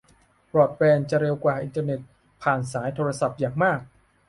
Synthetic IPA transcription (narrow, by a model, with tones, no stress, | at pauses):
pɾɔː˨˩t̪̚bɛː˧nt͡ɕa˨˩ɾe˧wkwaː˨˩ʔi˧nt̪aː˧ne˨˩t̪̚ | pʰaː˨˩nsaː˩˦jt̪ʰoː˧ɾa˧sa˨˩p̚jaː˨˩ŋmaː˥˩k̚